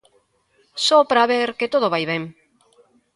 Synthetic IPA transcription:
sopɾaβeɾket̪oð̞oβajβɛŋ

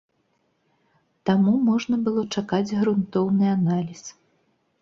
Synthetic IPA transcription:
t̪amumɔʐnɐbɨlˠɔt͡ʂakad͡zʲɣɾunt̪ɔwnɨanalʲis

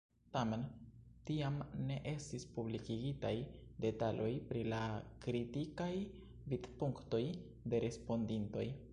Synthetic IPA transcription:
tame̞ntiamne̞ʔe̞stispublikiɡitajde̞talʔo̞jpɾilakɾitikaj | vidpuŋkto̞j | de̞ɾe̞spo̞ndinto̞j

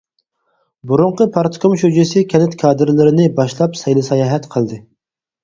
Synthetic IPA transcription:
buɾʊɴqəpʰɑɾt̪ʰkʰomʃud͡ʒɪsɪkʲʰɛnɪt̪kʰɑːd̪ɨɾlɪɾɪnɪbɑʃlˠɑpsɛjlˠɨsɛjɑːɦɛt̪qʰəlˠd̪ɨ

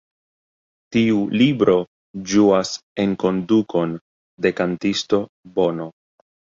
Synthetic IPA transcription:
tiulibɾo̞ | d͡ʒuase̞ŋko̞ndukʰo̞n | de̞kantisto̞ | bo̞no̞

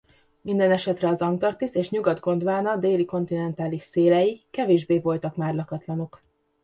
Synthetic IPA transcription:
mind̪ɛnɛʃɛt̪rɛɒzɒŋt̪ɒrt̪iseːʃɲuɡɒd̪ɡo̞nd̪vaːnɒd̪eːliko̞nt̪inɛnt̪aːliʃseːlɛjikɛveːʒbeːvo̞lt̪ɒkmaːrlɒkɒt̪lɒno̞k

